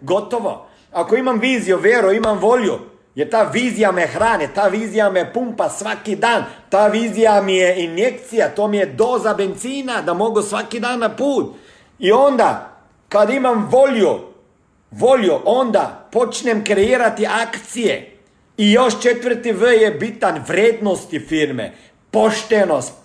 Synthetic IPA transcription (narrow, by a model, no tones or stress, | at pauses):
ɡot̪oʋo̰ | akoimamʋiːzijuʋjeɾuimamʋo̞ljṵ | jeɾt̪aːʋiːzijamexɾaːnit̪aːʋiːzijamepumpasʋakid̪aːnt̪aːʋiːzijamijeinjek̚t̪sijat̪oːmijed̪oːzabent̪siːnad̪amo̞ɡusʋakid̪aːnːapuːt̪ | iond̪a | kad̪imamʋolju | ʋoljuʔond̪apot͡ʃnɛmkɾɛiːɾat̪iaːkt̪sijḛ | ijoʃt͡ʃet̪ʋərt̪iʋəjɛbit̪anʋɾeːd̪nost̪ifiɾmḛ | poʃt̪enost̪